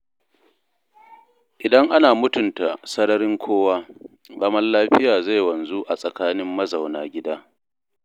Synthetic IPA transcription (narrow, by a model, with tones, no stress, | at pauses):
ʔɪ˨dɐ˦ŋʔa˦naː˨mʊ˦tʊ˨nta̰˨sɐ˦nɐ˦ɾɪ˦ŋkʷʰoː˦waː˦ | zɐ˦mɐ˦rlaː˦ɸɪ˦jaː˨za˦˨jwɐ˨nzu˦ʔa˨sʼɐ˨kaː˦nɪ˦mːɐ˦zɐ˨wnaː˨ɡʲɪ˦daː˦